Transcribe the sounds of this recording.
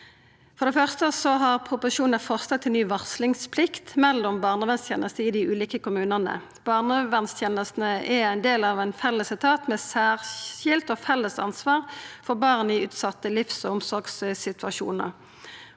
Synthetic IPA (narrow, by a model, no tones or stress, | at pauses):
fɔʁd̪ɛfœʁst̪əsɔɦɑʁpʰʁʊpʊʃuːnəfɔʁst̪ɑt̪ʰːɪlnyːʋɑʁslɪŋspʰlɪkt̪mɛlːɔmbɑːʁnəʋɛnst̪ʰjḛːnʔəst̪əɪd̪ɪʉːliːkəkʊmʉːnənə̰ | b̥ɑːʁnəʋɛnst̪ʰjeːnəst̪n̩əʔɛæɪnd̪eːlɑʋæɪnfɛlːəsɪt̪ʰɑːt̪mɛːsæːʁçɪlt̪ɔfɛlːəsɑ̰nsʋɑːʁfɔʁbɑːʁnəɪʉːt̪sɑt̪ːəlɪfsɔʊmsɔʁɡssɪt̪ʋɑʃṵːnə̰ʁ